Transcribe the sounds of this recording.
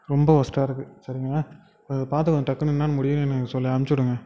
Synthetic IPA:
ɾɔmbɐʋɐsʈaːɪɾɯkːɯsɐɾɪŋɡɐaː | ɐðɐpaːɾt̪̬ɯkɐnd̪ɯʈ̪ɐkːɐnɪnːaːnmʊɽɪjɯŋɛnːɐsɔlːiɐmt͡ʃːɯɽɯŋɡɐ

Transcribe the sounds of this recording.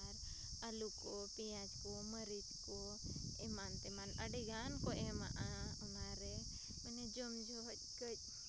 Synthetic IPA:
aɾ | alukopijãd͡ʒkoməɾid͡ʒko | emaːnt̪emaːnə̰ɖiɡaːnkoʔema̰ʔa | maɾe | məned͡ʒomd͡ʒo | kə

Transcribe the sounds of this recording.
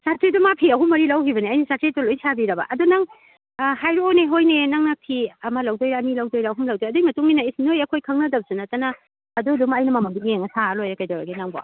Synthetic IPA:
satɾedumapʰiɐɦumːɐɾilɐwhibɐniɐjnɐsaɾtɾetulojsabiɾɐbɐ̰ʔɐdunaŋ | hajɾuojneɦojnenaŋnapʰiɐmɐlɐwdojɾaːmilawdojɾaːɦumlɐwdojɐdujmɐtuŋinɐisnojɐkʰojkʰɐŋnɐdɐb̚sunɐtɐnɐ | ɐdudumɐjnɐmɐmɐŋbiŋeŋɐsʰalojɐkajdawɾa̰ɡenaŋba̰

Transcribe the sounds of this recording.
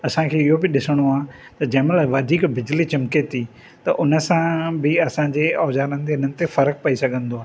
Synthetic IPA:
ɐsãkʰeːɪɦobɪɗɪsəɽ̃oaː | t̪ɐd͡ʑɛːməlʋɐd̪ʱiːkbɪd͡ʑlit͡ɕɪmket̪ʰi | t̪ɐʔʊnəsãbɪɐsãːd͡ʑeːɔːd͡ʑaːɾənɪ̆t̪eʊn̤ənɪ̆t̪efɐɾək̚pɐisɐɡʱə̃nd̪oaː

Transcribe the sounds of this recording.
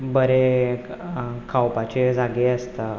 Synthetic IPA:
bəɾe | kʰawpat͡ɕed͡zaɡeəst̪a

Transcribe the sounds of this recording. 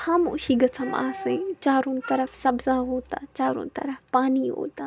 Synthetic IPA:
xaːmo̰ːʃiɡɐsʰɐma̰ːsẽːt͡ɕaːɾõːnt̪ɐɾəfsɐbzaɦoːt̪aːt͡ɕaːɾo̰nt̪ɐ̰ɾəfpaːniɦo̰ːt̪aː

